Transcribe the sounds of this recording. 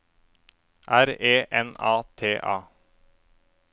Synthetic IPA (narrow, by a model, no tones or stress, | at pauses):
ʔæɾeːʔɛnɑːt̪ʰeːʔɑː